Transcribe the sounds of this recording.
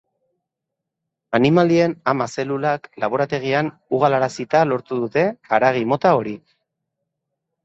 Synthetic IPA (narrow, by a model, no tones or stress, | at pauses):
animald̪ie̞namase̞lulaklaβ̞o̞ɾat̪e̞ɣ̞ian | uɣalaɾasit̪alo̞ɾt̪uðut̪e̞aɾaɣ̞imo̞t̪ao̞ɾi